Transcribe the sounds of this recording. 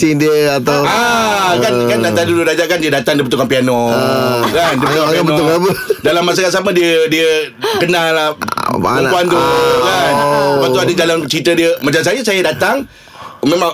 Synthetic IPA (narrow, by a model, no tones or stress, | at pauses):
sindiəat̪awakankandat̪adududad͡ʒaʔkandiədat̪aŋdibət̪ukanpiano | kandibəət̪ukapnɔukapədalamːas̬akasamədiədiəkənãlaumuant̪ukansəpat̪uadəd͡ʒalant͡ʃəit̪ədiəmat͡ʃams̬ajəsajədat̪aŋ | mẽmãŋ